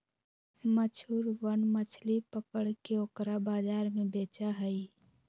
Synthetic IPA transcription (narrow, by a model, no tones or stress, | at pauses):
mət͡ʃʰuːɾʋənmət͡ʃʰlipəkəɽkeoːkɾabaːd͡ʒaːɾmẽbeːt͡ʃaɦəi